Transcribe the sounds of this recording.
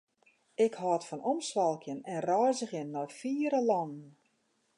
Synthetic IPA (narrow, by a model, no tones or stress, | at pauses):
ɪkhɔːtfɔnɔmsʋɔlˠkʰjənɛnrɔjzəɣjənːɔjfiːɾəlɔnn̩